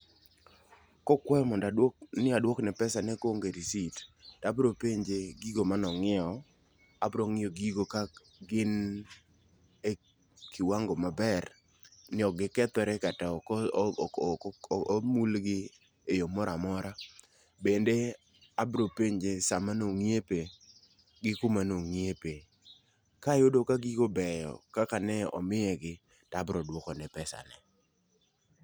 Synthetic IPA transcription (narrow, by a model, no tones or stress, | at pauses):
kɔkwɛmɔndanɪadwɔknɛpɛsanɛkoŋɡeɾisitd̥abɾopeɲd͡ʒeɡiɡomanɔŋɪɔ | abɾoŋɪoɡiɡoka | ɡɪn | e | kɪwaŋɡɔmabɛr | nɪɔɡɪkɛt̪ɔɾɛkata | mulɡɪ | ejomɔɾamɔɾa | bende | abɾopeɲd͡ʒesamanoŋiepe | ɡɪkʊmanoŋiepe | kajodokaɡikobɛjɔ̰kakanɛɔ̰mɪjɛɡɪ | tabɾɔdwɔkɔnɛpɛsa̰nɛ